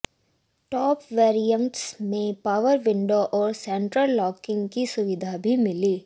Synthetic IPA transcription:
ʈɔːpʋeːɾijə̃ɳʈsmẽpaːʋəɾʋɪ̃ɳɖoʔɔːɾsɛ̃ɳʈɾəlːɔːkɪ̃ŋɡkisʊʋɪd̪ʱabʱimɪliː

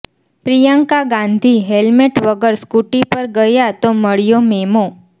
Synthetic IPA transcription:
pɾijaŋkaɡãnd̪ʱiɦelmeʈʋəɡəɾskuʈipəɾɡəjat̪oməɭjomemo

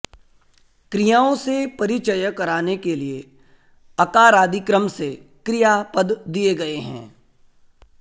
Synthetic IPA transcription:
kɾijaːõsepɐɾɪt͡ʃəjəkɐɾaːnekelie | ɐkaːɾaːd̪ikɾəmse | kɾijapəd̪ːieɡɐeɦɛ̰̃ː

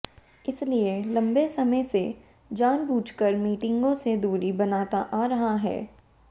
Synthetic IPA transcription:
ɪslielɐ̃mbesɐməjse | d͡ʒaːnbuːt͡ʃkəɾmiːʈɪ̃ŋɡõsed̪uːɾibɐnaːt̪aʔaːɾɐɦaɦɛ̰ː

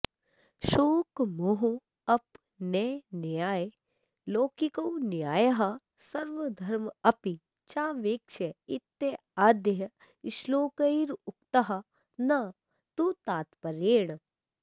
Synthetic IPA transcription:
ʃoːkmoɦo | ɐp | nenjaːj | loːkikɐwnjaːjɐɦɐ | sɐɾʋɐd̪ʱɐɾmɐpi | t͡ʃaːʋeːkʃeit̪ːe | aːd̪jɦɐ | iʃloːkɐiɾʊk̚t̪ɐɦɐ | nɐ | t̪ut̪aːt̪pɐɾeːɽ̃

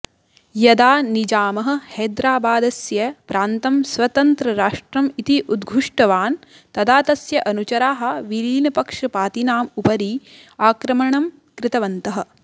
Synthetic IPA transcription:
jɐd̪aːnid͡ʒaːmɐɦɐ̆hɛːd̪ɾaːbaːd̪ɐsjɐpɾaːnt̪ɐmsʋɐt̪ɐnt̪ɾɐɾaːʂʈɾɐmit̪iʔud̪ɡʱuʂʈɐʋaːn | t̪ɐd̪aːt̪ɐsjɐʔɐnut͡ʃɐɾaːɦɐ̆ʋiliːnɐpɐkʂɐpaːt̪inaːmupɐɾi | aːkɾɐmɐɳɐm | kɾɪt̪ɐʋɐnt̪ɐɦɐ̆

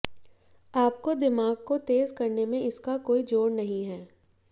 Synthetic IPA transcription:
aːp̚kod̪ɪmaːɡ̚kot̪eːzkɐɾnemẽɪskakoːid͡ʒoːɾnɐɦĩɦɛː

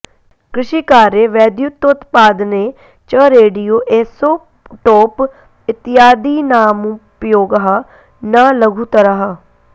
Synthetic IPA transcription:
kɾɪʃiːkaːɾeːʋɛːd̪jut̪ːot̪paːd̪neː | t͡ʃəɾeːɖijoːʔeːsoː | ʈoːp | ɪt̪ːɪjaːd̪iːnaːmupjoːɡɦaː | naːləɡʱũːt̪əɾaɦaː

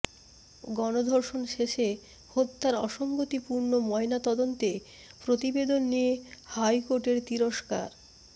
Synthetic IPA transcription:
ɡɔnod̪ʱoɾʃonʃeʃe | hot̪ːaɾɔʃoŋɡot̪ipuɾnomɔenat̪ɔd̪ont̪e | pɾot̪ibed̪onːiehajkoɾʈeɾt̪iɾoʃka̰ɾ

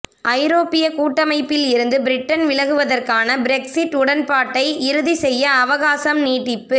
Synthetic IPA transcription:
ʔɐɪɾoːpɪjɐkuːʈːɐmɐɪpːɪlɪɾɯnd̪ɯbɪɾɪʈːɐnʋɪlɐɣɯʋɐðɐrkaːnɐbɪɾɛksɪʈːʊɽɐnpaːʈːɐɪɪɾɯðisɛjːɐːʋɐɣaːsɐmniːʈːɪpːɯ

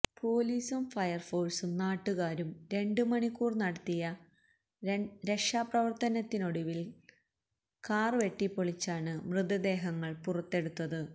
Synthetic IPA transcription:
pʰo̞ːliːsumfɐjɐrfo̞ːɭsumnaːʈːuɣaːɾumɾe̞ɳɖɨmɐɳikːuːrnɐɽɐt̪ːijɐ | ɾe̞kʂaːprɐʋɐrt̪ɐnɐt̪ːino̞ɽuʋil | kaːrɨʋe̞ʈːipːoɭit͡ɕːaːɳɨmrɨd̪ɐd̪e̞ːɦɐŋːɐɭpurɐt̪ːe̞ɽut̪ːɐðɨ

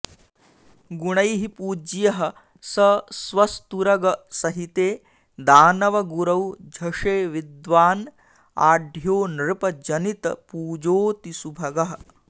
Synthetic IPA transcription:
ɡuɽ̃ɐjɦipuːd͡ʒjɐɦɐ̆ | sɐsʋɐst̪uɾɐɡɐsɐɦit̪eː | d̪aːnɐʋɐɡuɾɐwd͡ʒʱɐʂeːʋid̪ʋaːn | aːɖʱjoːnɾɨpɐd͡ʒɐnit̪ɐpuːd͡ʒoːt̪isubʱɐɡɐɦɐ̆

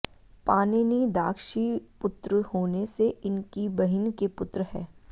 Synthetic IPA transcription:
paːneːnid̪aːkʰʃipʊt̪ɾəhoːneseɪnkibɐɦɪnkepʊt̪ɾəɦɛː

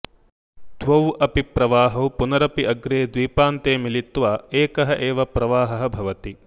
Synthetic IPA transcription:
t̪ʰʋɐwʔɐpipɾɐʋaːɦɐwpunɐɾɐpiʔɐɡɾeːd̪ʋiːpaːnt̪eːmilit̪ʋaːeːkɐɦɐʔeːʋɐpɾɐʋaːɦɐɦɐ̆bʱɐʋɐt̪i

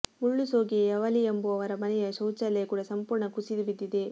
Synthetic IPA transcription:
muɭːusoːɡiɐʋɐliemboɐʋɐɾɐmɐnɛjɐsɐwt͡ʃːɐlɐjɐkuːɽɐsɐmpuːɾɳɐkusid̪ubid̪ːid̪e

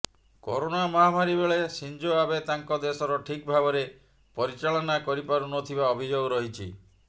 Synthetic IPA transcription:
ko̰ɾonamɔɦamaɾibeɭesind͡ʒoabet̪aŋkɔd̪esɔɾɔʈʰik̚bʱabɔɾe | pɔɾit͡ʃaɭɔnakɔɾipaɾunɔt̪ʰibaɔbʱid͡ʒoɡɔɾɔɦit͡ʃʰḭ

